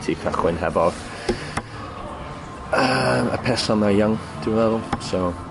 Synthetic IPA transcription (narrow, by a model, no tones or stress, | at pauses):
tʰikʰaχwɪnɦɛvɔð | əmə̰pʰɛsɔnajaŋ | d̥ɪwwɛðlˠsow